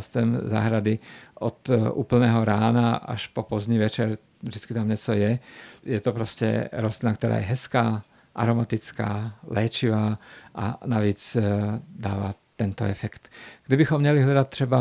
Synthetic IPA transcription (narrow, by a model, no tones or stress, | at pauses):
st̪ɛmza̰ɦɾad̪iʔɔt̪ṵːpl̩nɛːɦɔɾaːnaa̰ʃpɔpɔzd̪ɲiʋɛt͡ʃɛɾ | ʒd̪it͡skit̪amɲɛt͡sɔjɛjɛt̪ɔpɾɔscɛ̰ɾɔslinakt̪ɔɾa̰ːjɛɦɛskaː | ʔa̰ɾɔmat̪it͡ska̰ːlɛːt͡ʃiʋaːʔa̰naʋiːt͡s | d̪aːʋa̰t̪ɛnt̪ɔ̰ɛfɛkt̪ɡ̥d̪ibixɔmːɲɛliɦlad̪att̪ːɾɛba